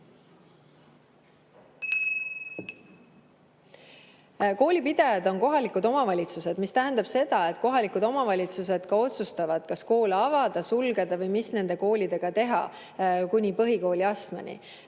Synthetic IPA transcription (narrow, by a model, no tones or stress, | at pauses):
ko̞ːlʲipid̪̥ejɑd̪̥o̞ŋko̞ɦɑlikud̪o̞mɑvɑlʲit̪suse̞d̪mist̪æɦænd̪̥ɑb̥se̞d̪̥ɑe̞t̪̚ːˑko̞ɦɑlikud̪o̞mɑvɑlʲit̪suse̞d̪̥kɑo̞t̪sust̪ɑvɑd̪̥kɑsko̞ːleɑvɑd̪̥ɑsulɡed̪̥ɑvɤjmisne̞nd̪̥e̞ko̞ːlid̪e̞ɡ̥ɑt̪e̞ɦɑ̰ | kunʲipɤɦiko̞ːlʲiɑst̪mɑ̰nʲḭ